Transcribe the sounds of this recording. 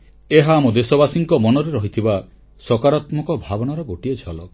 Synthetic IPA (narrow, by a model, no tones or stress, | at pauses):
eɦaːmɔd̪esɔbasiŋkɔmɔnɔɾeɾɔɦit̪ʰiba | sɔkaɾat̪mɔkɔbʱabɔnaɾɔɡoʈied͡ʒʰʱɔlɔ